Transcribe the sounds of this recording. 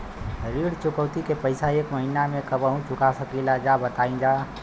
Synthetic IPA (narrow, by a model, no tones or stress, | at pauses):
ɾiːɽt͡ʃʊkəwt̪ikepəɪsaeːkməɦinamẽkəbəɦũt͡ʃʊkasəkilad͡ʒabət̪aːĩd͡ʒaː